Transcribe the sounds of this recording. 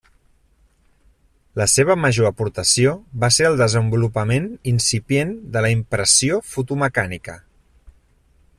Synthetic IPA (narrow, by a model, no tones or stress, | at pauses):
ləseβəməʒoəpuɾt̪əsioβaseɾəlˠd̪əzəmbulupəmeninsipjend̪ələimpɾəsiofut̪uməkanikə